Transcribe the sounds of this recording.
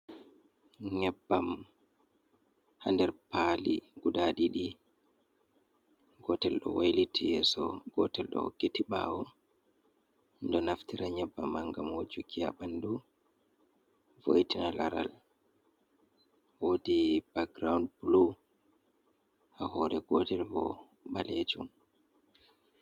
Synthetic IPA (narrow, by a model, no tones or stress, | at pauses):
ɲɛbːam | handɛɾpaliɡudaɗiɗi | ɡɔtɛlɗɔ̰wajlitʰijɛsɔɡ̥ɔtɛlɗɔ̰ho̰kːitiɓa̰wɔ | ndɔnaftiɾaɲɛbːamaŋɡamod͡ʒukʰijaɓandu | vo̰jtinalaɾa̰l | wodib̥aɡɾawndbulo | hahɔɾɛɡɔtɛlbɔ̰ | ɓaled͡ʒum